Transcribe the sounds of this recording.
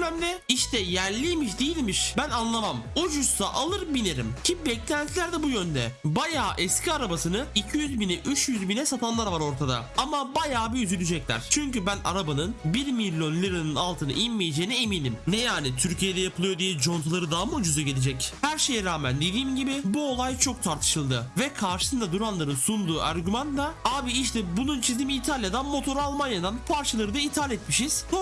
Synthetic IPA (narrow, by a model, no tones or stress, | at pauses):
mæmd̪ʲɛiʃt̪ʰɛjæɾlʲiːmiʃd̪ijilʲmiʃbænanlˠamamod͡ʒussaʔalˠɯɾbineɾimcʰibɛclʲænt̪ʰilʲæɾd̪ɛbujønd̪ɛbajaːʔɛscʰiaɾabasɯnɯicʰijyzbinɛʔyt͡ʃjyzbinɛsat̪ʰanlˠaɾvaɾo̞ɾt̪ʰad̪a̰amabajaːbiyzylʲyd͡ʒɛclʲæ̰ɾ̥t͡ʃʰyɲcybæna̰ɾabanɯnbiɾmilʲːo̞nlʲiɾinɯnalˠt̪ʰɯnɯ̰ʔimmijed͡ʒeːinieminʲimnɛjaːnit̪ʰyɾcijed̪ɛjapʰɯɯjo̞d̪ijɛd͡ʒo̞nt̪ʰalˠaɾɯd̪aɦamɯud͡ʒuzaɟelʲed͡ʒɛchæɾʃe̞jɛɾaːmænd̪e̞d̪iːmɟibɪbuo̞lˠajt͡ʃʰo̞k̚t̪ʰaɾt̪ʰɯ̥ʃɯlˠd̪ɯvɛkʰaɾʃɯ̥sɯnd̪ad̪uɾanlˠaɾɯnsund̪uːʔa̰ɾɟymand̪aaːbiiʃt̪ʰɛbununt͡ʃʰizd̪iːmiːt̪ʰalʲjad̪anmo̞t̪ʰo̞ɾalˠmanjad̪anpʰaɾt͡ʃʰalˠaɾɯd̪ait̪ʰaːlʲɛt̪miʃiz̥o